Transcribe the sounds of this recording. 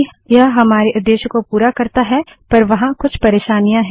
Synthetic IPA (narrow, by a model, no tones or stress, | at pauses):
jɐɦɦɐmaːɾeʔʊd̪jeːʃkopuːɾakɐɾt̪aɦɛ | pɐɾʋɐɦãkʊt͡ʃʰpɐɾeːʃaːnijãɦɛ̃